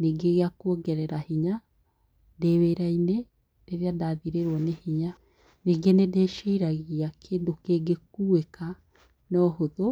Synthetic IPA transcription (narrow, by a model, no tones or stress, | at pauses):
neɡeɣeakuɔɡɛɾɛɾahiɲa | deweːɾaine | d̥eɾeadaːðiɾeɾwɔnehiɲa | neɡenedeʃiːɾaɣiakʰedokeɡek̚ueka | nɔɦoðo